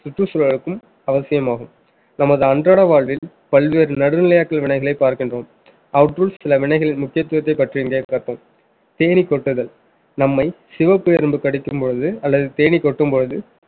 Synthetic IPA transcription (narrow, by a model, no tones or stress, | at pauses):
sʊʈrɯsɔlɐɭɯkːɯm | ɐʋɐsɪjɐmaːɣɯm | nɐmɐðɯɐndraːɽɐʋaːɭʋɪl | pɐɭʋeːɾnɐɽɯnɪlɐjaːkːɐɭʋɪɳɐɪɣɐɭɐɪpːaːɾkɪndroːm | ʔɐʋʈɾuːlssɪlɐʋɪɳɐɪɣɐɭɪnmʊkːɪjɐt̪ːɯʋɐt̪ːɐɪpːɐʈriɪŋɡeːkkɐt̪ːõːm | t̪eːnikːɔʈːɯðɐl | nɐmːɐɪ | sɪʋɐpːɯɐɾɯmbɯkɐɽɪkːɯmpɔɻɯðɯɐlːɐðɯt̪eːnikɔʈːɯmpɔɻɯðɯ